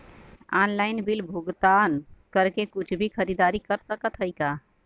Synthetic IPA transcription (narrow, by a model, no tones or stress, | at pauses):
anlajnbilbʱuɡt̪ankəɾkekut͡ʃʰbʱikʰəɾid̪aɾikəɾsəkət̪ɦəjka